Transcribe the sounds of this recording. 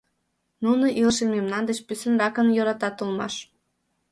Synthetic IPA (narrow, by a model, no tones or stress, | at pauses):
nunoʔiləʃenmemnɑnd̪eʃpysə̆nrɑkənjoɾɑt̪ɑt̪ulˠmɑ̰ʃ